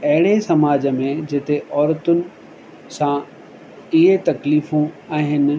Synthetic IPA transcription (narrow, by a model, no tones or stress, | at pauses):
ɐɦɪɽesɐmaːd͡ʑəmẽd͡ʑɪt̪eʔɔːɾt̪ʊnɪ̆ | sã | ɪɦet̪ɐkliːfũaːɦɪnɪ̆